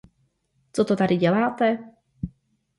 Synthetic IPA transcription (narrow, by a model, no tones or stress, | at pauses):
t͡sot̪ot̪adɪɟɛlaːt̪ɛ